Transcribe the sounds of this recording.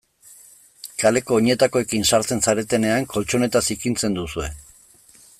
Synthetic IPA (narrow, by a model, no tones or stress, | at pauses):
kale̞ko̞ːɲe̞t̪ako̞e̞kinsaɾt͡se̞nsaɾe̞t̪e̞ne̞aŋko̞lt͡ʃo̞ne̞t̪asikint͡se̞nd̪usue̞